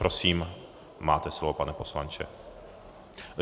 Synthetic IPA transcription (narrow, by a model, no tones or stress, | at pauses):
ɾosiːm | maːt̪ɛslovopanɛpo̞slant͡ʃɛ̰